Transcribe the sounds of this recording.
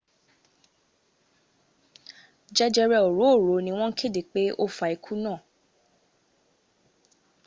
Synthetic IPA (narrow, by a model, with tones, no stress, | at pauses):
d͡ʒɛ˦d͡ʒɛ˧ɾɛ˧o˨ɾo˨˦o˦˨ɾo˨nĩ˧w̃ɔ̃˦ŋ̩˦kʰe˦˨de˨k͡pe˦ʔo˦fa˨i˨kʰu˦nãː˦˨